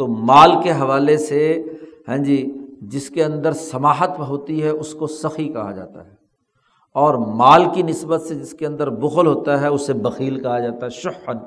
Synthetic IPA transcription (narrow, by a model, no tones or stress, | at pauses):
t̪oːmaːlkeɦɐʋaːleseɦɛ̃ːd͡ʒiːd͡ʒɪskeɐ̃nd̪əɾsɐmaːɦət̪bɦoːt̪iɦɛʔʊskosɐxikɐɦa̰d͡ʒa̰ːt̪a̰ɦɛː | ɔːɾmaːlkinɪsbət̪sed͡ʒɪskeɐ̃nd̪əɾbʊɣəlɦoːt̪aɦɛʊsːebɐxiːlkɐɦad͡ʒaːt̪aɦɛʃʊən